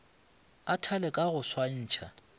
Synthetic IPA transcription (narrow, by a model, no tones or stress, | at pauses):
atʰalɛkʼaɣʊswan̩ːt͡ʃʰa̰